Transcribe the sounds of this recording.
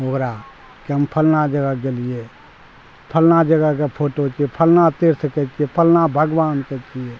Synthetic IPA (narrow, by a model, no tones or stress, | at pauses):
ɦokɾa | keɦəmpʰəlnad͡ʒəɡəɡelie | pʰəlnad͡ʒəɡəkepʰoʈot͡ʃʰiɛpʰəlnat̪eɾsəkɛt͡ʃʰiɛpʰəlnabʱəɡʋaːnkɛt͡ʃʰie